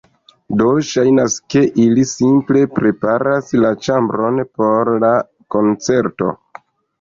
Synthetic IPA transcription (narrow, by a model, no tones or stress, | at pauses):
do̞ʃajnaske̞ʔilisimple̞pɾe̞paɾaslat͡ʃambɾo̞npo̞ɾla | ko̞nt͡se̞ɾto̞̰